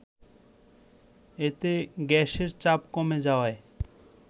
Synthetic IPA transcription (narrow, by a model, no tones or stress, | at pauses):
et̪eɡɛʃeɾt͡ɕapkɔmed͡ʑaoae